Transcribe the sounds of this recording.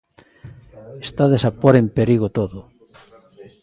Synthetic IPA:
est̪aðesapoɾempeɾiɣot̪oðʊ

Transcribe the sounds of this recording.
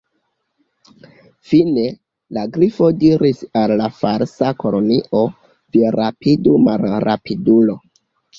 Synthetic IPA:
fine̞ | laɡɾifo̞diɾisalːafaɾsako̞lo̞niʔo̞ | viɾapʰidumalɾa̰pidulo̞

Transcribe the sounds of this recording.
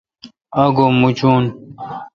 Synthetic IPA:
ɐɡomut͡ɕun

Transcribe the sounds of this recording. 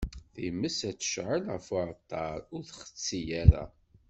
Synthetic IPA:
θiməsæt͡sːə̥ʃʕəlʕəfʊɾt̪ːɑɾʊɾθχə̥t͡sːijæɾæ̰

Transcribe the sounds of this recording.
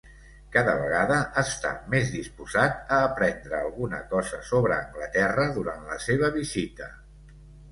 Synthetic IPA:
kaðəβəɣaðəʔːst̪a̰mezðispuzat̪əːpɾɛnd̪ɾəːlˠɣunə̰kɔzəsoβɾəːŋɡlət̪ɛrəðuɾanlə̰seβ̞əβizit̪ə

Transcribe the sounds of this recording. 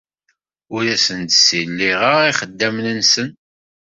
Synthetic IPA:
ʊɾæsənt̪silːiʁəiχəd̪ːæmnənsən

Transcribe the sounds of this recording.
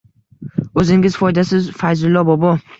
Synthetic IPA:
ɵzɪŋʲɪz̥fɒjd̪asɪzfajzʊlˠːɒbɒbɒ

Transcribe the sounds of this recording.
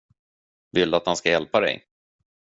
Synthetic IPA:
vɪld̪at̪hanskajɛlpad̪ɛ̰j

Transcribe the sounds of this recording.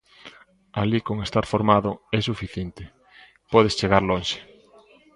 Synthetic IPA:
alikoŋest̪aɾfoɾmaðʊɛsufiθjent̪ɪ | pɔð̞est͡ʃeɣaɾlonʃe̥

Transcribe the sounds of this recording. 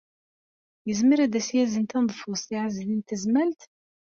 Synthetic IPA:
jəzməɾæd̪æsjæzənt̪ænd̪ˤfusˤiʕazlint̪əzmælt̪

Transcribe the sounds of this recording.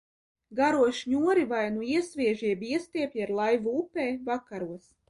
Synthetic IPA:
ɡaɾuɔʃɲuɔɾivajnuiɛsvʲiɛʒiɛbiɛst̪iɛpʲiaɾlˠajvuupeːvakaɾuɔs

